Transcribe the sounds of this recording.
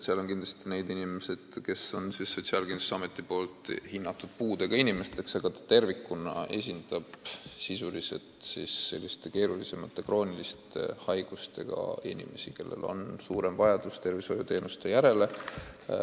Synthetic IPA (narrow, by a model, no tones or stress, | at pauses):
seɑlo̞nkind̪lɑst̪ine̞jd̪inime̞se̞d̪̥ke̞so̞nsisːo̞t̪siɑlkinu̥sɑmet̪ːˑipo̞ːlt̪ˑhinːɑt̪ːˑud̪̥̚puːd̪e̞ɡ̥ɑinʲime̞st̪e̞ksɑɡ̥ɑt̪ɑ̥t̪e̞rvikːunɑ̰e̞̰s̬ʲind̪̥ɑb̥sisulise̞̰t̪sisːe̞̰lʲːist̪e̞ke̞ːɾulise̞mɑt̪ːˑe̞kro̞ːnilist̪e̞hɑjɡ̥ust̪e̞̰ɡ̥ɑ̰inʲḭme̞sike̞̰lːḛlo̞̰nsuːɾemvɑjɑd̪̥ust̪e̞rviso̞jut̪e̞ːnust̪e̞jæɾe̞le̞